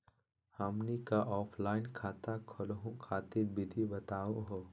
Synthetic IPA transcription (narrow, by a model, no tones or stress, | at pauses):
hɐmnikaʔɔːpʰlaːɪnkʰaːt̪akʰɔlɦõkʰaːt̪iɾbʱɪd̪ʱibɐt̪aːõɦoː